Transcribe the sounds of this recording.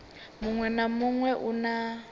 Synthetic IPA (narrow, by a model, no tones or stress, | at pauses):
muŋwɛnamuŋwɛʔuna